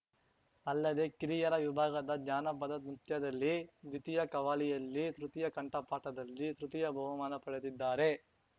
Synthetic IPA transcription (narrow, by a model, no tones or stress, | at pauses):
ɐlːɐd̪e̞kiɾijɐɾɐʋibʱaːɡɐd̪ɐd̪ɲaːnɐpɐd̪ɐt̪mɾut̪jɐd̪ɐlːid̪it̪ijɐkɐʋaːlijɐlːit̪ɾut̪ijɐkɐɳʈɐpaːʈɐd̪ɐlːit̪ɾut̪ijɐbʱɐʋumaːnɐpɐɽed̪id̪ːaːɾe̞